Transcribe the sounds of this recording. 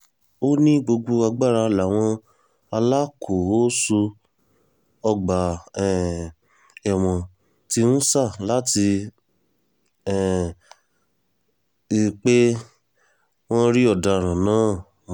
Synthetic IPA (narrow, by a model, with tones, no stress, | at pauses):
o˦nĩ˦ɡ͡bo˧ɡ͡bo˧a˧ɡ͡ba˦˨ɾa˧la˨w̃ɔ̃˧ | a˧la˦kʰo˨o˦su˧ | ɔ˧ɡ͡ba˨ɛ˨ | ɛ˨w̃ɔ̃˨ | ti˧ũ˦sa˦˨la˦ti˧ | ɛ˨ | i˧k͡pe˦ | w̃ɔ̃˦ɾi˦ɔ˦˨da˧˨ɾ̃ã˨nãː˨˦